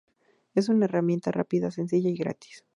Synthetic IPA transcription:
e̞s̬unae̞ramje̞nt̪ara̰piðase̞ns̬iʝaiɣɾa̰t̪i̥s

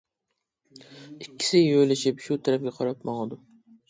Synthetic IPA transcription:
ikʲːi̥sɪjojlɪʃɪpʃut̪ʰæɾɛp̚ɡʲɛqʰɑɾɑpmɑŋɨd̪ʊ

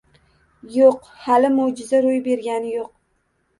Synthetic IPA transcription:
joq | halɪmod͡ʒɪzaɾʊjbe̞ɾɡʲanɪjoq̚

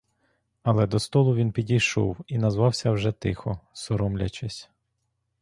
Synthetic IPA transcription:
ɐlˠɛd̪ɔst̪ɔlˠʊʋinpʲidʲijʃɔ̰winɐzʋɑwsʲɐwʒɛt̪ɪxɔsɔɾɔmlʲɐ̰t͡ʃɪsʲ

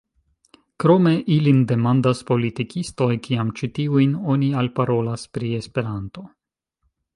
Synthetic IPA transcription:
kɾo̞me̞ʔilinde̞mandaspo̞litikʰisto̞jkiamt͡ʃitiujno̞nialpaɾo̞laspɾie̞spe̞ɾanto̞

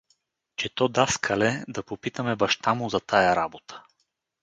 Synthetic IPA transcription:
t͡ʃɛt̪ɔd̪askʰɐlɛd̪ɐpopit̪əmɛbɐʃt̪amʊzɐt̪ajaɾabot̪ə̥

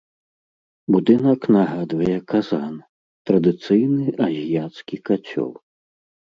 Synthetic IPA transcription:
bud̪ɨnɐknaɣad̪vɐjɛkazan | t̪ɾɐd̪ɨt̪sɨjnɨʔɐzʲijat̪skʲikat͡sʲɔ̰w

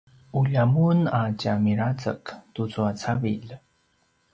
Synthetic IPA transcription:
uʎamunacamiɾat͡sə̰ktut͡suat͡saviʎ

